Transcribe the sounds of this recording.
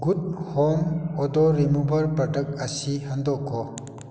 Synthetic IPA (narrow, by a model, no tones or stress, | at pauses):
ɡud̚hɔmɔdɔɾemubɐɾpɾɐdɐk̚ɐsihandɔkʰːɔ